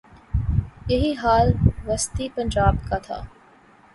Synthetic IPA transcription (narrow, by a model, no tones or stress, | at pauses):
jɐɦiːɦaːlʋɐst̪ipɐ̃ɲd͡ʒaːbkat̪ʰa̰ː